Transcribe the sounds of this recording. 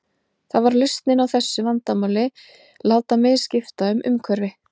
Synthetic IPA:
θaðvaɾlʏst̪nɪnawθɛsːʏvant̪amawlɪ | laːwt̪amɛðscɪft̪aʏmʔʏ̰mkʰvœɾvɪ

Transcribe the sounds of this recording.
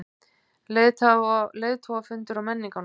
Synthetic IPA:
le | leːjðt̪ʰɔwafʏnt̪ʏɾawmɛnːiŋkan

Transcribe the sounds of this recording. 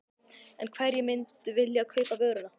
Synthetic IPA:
ɛnkʰvɛɾjɛmɪnt̪vɪljakʰœɥpavœːɣɾʏna

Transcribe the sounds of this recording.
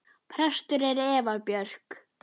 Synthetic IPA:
pʰɾɛst̪ʏɾɛɾɛːvapjœr̥k

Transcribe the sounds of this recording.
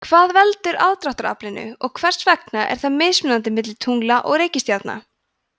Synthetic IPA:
kʰvaːðvɛlt̪ʏɾa̰ðt̪ɾawht̪aɾa̰plɪnʏ̰ɔɣkʰvɛr̥svɛk̚naʔɛ̰ɾ̥θaðmɪːsmʏnant̪ɪmɪt̪lɪt̪ʰuŋlaʔɔɣɾeːjcɪst̪jat̪na̰

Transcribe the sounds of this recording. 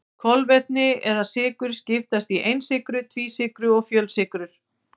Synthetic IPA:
kʰɔlvɛt̪̚nɪɛɾðasɪːkʏɾ̥scɪft̪ast̪iʔejnsɪkɾʏt̪ʰviːsɪːkɾʏɔɣfjœlsɪkɾʏɾ̥

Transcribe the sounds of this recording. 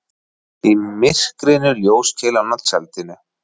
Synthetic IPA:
imɪr̥kɾɪnʏljoːwscʰɛːlanat̪sɛlt̪ɪnʏ

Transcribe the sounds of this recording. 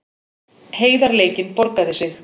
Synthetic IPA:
heːjðaɾleːjcɪnpɔɾkaðɪsɪx

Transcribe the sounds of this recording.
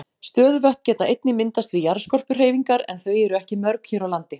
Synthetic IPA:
st̪œːðvœht̪̚cɛːt̪aʔejt̪nɪmɪnt̪ast̪vijaɾskɔr̥pʏr̥eːjviŋkaɾɛ̰nθœːɥɛɾʏɛhcɪmœɾkçɛːɾawlant̪ɪ

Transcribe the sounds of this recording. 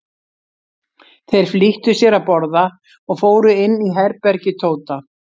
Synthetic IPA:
θejɾ̥fliht̪ʏsjɛɾapɔɾða | ɔɣfoːwɾʏɪnːiɦɛɾpɛɾcɪt̪ʰoːwt̪a

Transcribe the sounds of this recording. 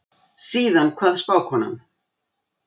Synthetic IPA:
siːðankʰvaːðspawkhɔna̰m

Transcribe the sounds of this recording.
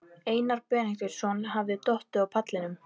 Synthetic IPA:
eːjnaɾpɛːnɪŋk̪ɪɾ̥sɔnɦavðɪt̪ɔht̪ʏawpʰat̪lɪnʏm

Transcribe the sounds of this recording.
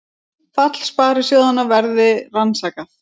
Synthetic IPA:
fat̪l̥spaːɾʏ̥sjoːwðanːavɛɾðɪransaːkaθ

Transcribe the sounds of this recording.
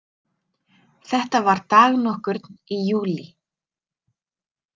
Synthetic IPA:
θɛht̪avaɾ̥t̪aːɣnɔhkʏɾt̪nijuːli

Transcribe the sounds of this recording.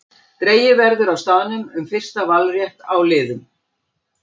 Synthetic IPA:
t̪ɾeːjɪvɛɾðʏɾawst̪aːðnʏmʏmfɪr̥st̪avalrjɛht̪awlɪːðʏm

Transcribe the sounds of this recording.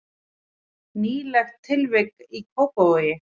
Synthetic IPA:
niːlɛxt̪ʰːɪlvɪkikʰokojɪ

